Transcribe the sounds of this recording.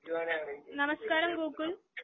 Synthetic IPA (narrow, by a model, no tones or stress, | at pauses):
nɐmɐskaːɾɐmɡoːkːul